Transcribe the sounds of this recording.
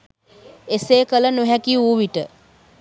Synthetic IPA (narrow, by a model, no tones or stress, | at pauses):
eseːkələnuɦækiuːʋiʈə